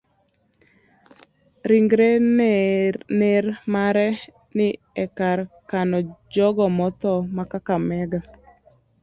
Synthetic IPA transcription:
ɾiŋɡɾe | nermaɾɛ | nɪ | ɛkaɾkanɔd͡ʒɔɡɔmɔt̪ɔmakakamɛɡa

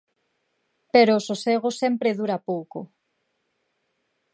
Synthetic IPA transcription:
peɾoːsoseɣ̞osempɾeðuɾapowko

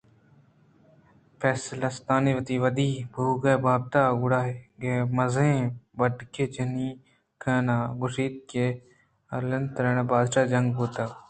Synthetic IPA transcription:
pʰɛːslast̪aːniʋɐt̪iʋɐd̪iːbʱuːɡɐbʱaːb̚t̪aːɡʊɽaːɡemɐzẽbɐɖkeːt͡ʃɐni | kʰaːnaːɡʊʃiːt̪̚ke | ɐɾlɐnt̪ɾeːɽabaːd̪ʃaːd͡ʒɐŋɡboːt̪a

